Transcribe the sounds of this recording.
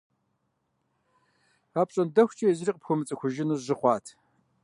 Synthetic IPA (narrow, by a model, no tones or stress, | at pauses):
aːpɕʼɐndɐxʷt͡ʃʼijɛzɨriːqʼəpxʷʊmɨt͡sʼɨxʷʊʒɪnuʑɪχʷɑːtʰ